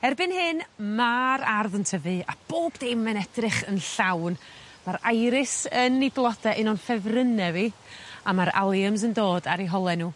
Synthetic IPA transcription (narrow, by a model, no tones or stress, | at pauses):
ɛrbɨnhɨnmaɾarðəntʰəvɨab̥oːbdejmɛnɛdrɪχənɬawn | maɾajɾɪsəniblˠɔdaʔɪnɔnfɛvrənɛviamaɾa̰lˠjəms̬əndoːdaɾiɦɔlˠɛnuː